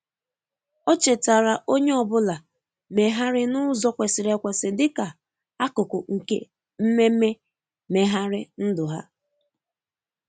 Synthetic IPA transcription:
ɔ˦t͡ʃe˨ta˨ɾa˨ʔo˦ɲe˦ɔ˨bʊ˦la˨ | me˨ɦa˦ɾɪ˦nʊ˦zɔ˦kʷe˨sɪ˨ɾe˨kʷe˨sɪ˨dɪ˦ka˨ | a˦kʊ˨kʊ˨ŋ̩˨kḛ˦ | m̩˦me˦me˦ | me˨ɦa˦ɾɪ˦n̩˦dʊ˨ɦa̰˦

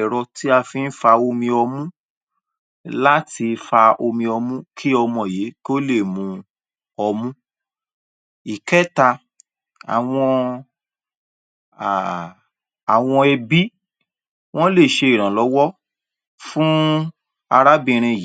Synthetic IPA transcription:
ɛ˨ɾɔ˧ti˦a˧fĩ˧n̩˦fa˧o˧mĩ˧ɔ˧mũ˦ | la˦ti˧fa˧o˧mĩ˧ɔ˧mũ˦kʰi˦ɔ˧mɔ̃˧˨je˨˦ko˦le˦˨mũ˧ | ɔ˧mũ˦ | i˨kɛ˦ta˧ | a̰˨w̃ɔ̃˧˨ | a˨w̃ɔ̃˧ɛ˧bi˦ | w̃ɔ̃˦le˦˨ʃe˧i˨ɾ̃ã˨lɔ˨˦wɔ˦ | fũ˦ | a˧ɾa˦bĩ˧˨˧ɾ̃ĩ˧j

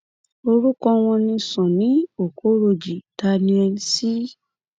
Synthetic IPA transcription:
o˧ɾu˦kɔ˧w̃ɔ̃˧nĩ˧sɔ̃˨nĩ˨˦o˨ko˨˦ɾo˧d͡ʒi˨ta˧nĩ˧˦ɛ˧nĩ˧˦si˦

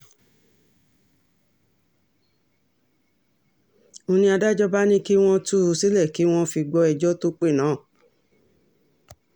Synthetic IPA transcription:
õ˧nĩ˦a˧da˦d͡ʒɔ˦ba˦nĩ˦ki˦w̃ɔ̃˦tu˦˧si˦lɛ˦˨ki˨˦w̃ɔ̃˦fi˧ɡ͡bɔ˧˦ɛ˧d͡ʒɔ˦to˦k͡pe˦˨nãː˨˦˨

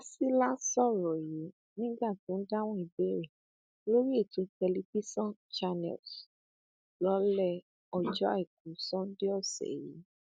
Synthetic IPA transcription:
a˧si˦la˦sɔ˦˨ɾɔ˨ji˨˦ | nĩ˦ɡ͡ba˦˨tũ˨˦n̩˦da˦w̃ɔ̃˦i˧˨be˦ɾe˦˨ | lo˦ɾi˦e˦˨tũ˨˧˦tɛ˧li˦pi˦sɔ̃˦nt͡ʃa˧nɛ̰˨ls | lɔ˨˦lɛ˦˨ | ɔ˧d͡ʒɔ˦a˦˨i˨k̚ũ˨˦sɔ̃˦n˦de˦ɔ˦˨sɛ̰˨jḭ˨˦

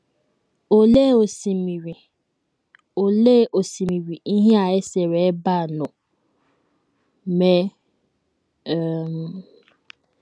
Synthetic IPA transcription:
o˨le˦˨o˨si˨mi˨ɾi˨ | o˨le˦˨ʔo˨si˨mi˨ɾi˨ʔi˦ɦe˦a˨e˦se˨ɾe˨˦ba˦˨nʊ˨ | me˦˨ | m˨

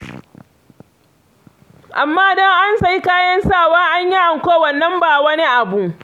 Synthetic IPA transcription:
ʔa˨mːaː˦dɔ˦ŋʔa˦nsɐ˨ji˦kaː˦jɐ˦nsaː˦˨waː˦ʔa˦ɲji˦ʔa˨ŋkʷoː˦wɐ˨nːɐ˦mbaː˨wɐ˦ni˦ʔa˨bu˦

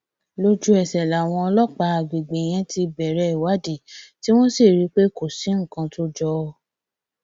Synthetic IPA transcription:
lo˦d͡ʒu˦ɛ˨sɛ˨la˨w̃ɔ̃˧ɔ˧lɔ˦k͡pa˧˦a˨ɡ͡be˨ɡ͡be˨j̃ɛ̃˧ti˧bɛ˨ɾɛ˧˦i˨wa˨˦di˨ti˦w̃ɔ̃˦si˦˨ɾi˦k͡pe˦ko˨si˨˦ŋ̩˦˨kã˧to˦d͡ʒɔ˧˦˧

